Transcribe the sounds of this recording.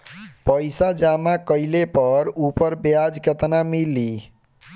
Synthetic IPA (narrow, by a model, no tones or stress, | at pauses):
pəjsad͡ʒamakəjlepʌɾupəɾbjad͡ʒɡət̪namili